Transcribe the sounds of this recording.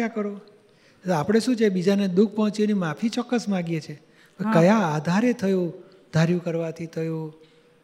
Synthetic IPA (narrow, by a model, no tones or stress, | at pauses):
akəɾo | oapɽ̃eʃũt͡ʃʰebid͡ʒaned̪uk̚ʰpɔɦɔ̃t͡ʃinimapʰit͡ʃɔkːəsmãɡjet͡ʃʰe | kəkəjaːd̪ʱaɾet̪ʰəjo | d̪ʱaɾjũkəɾʋat̪ʰit̪ʰəju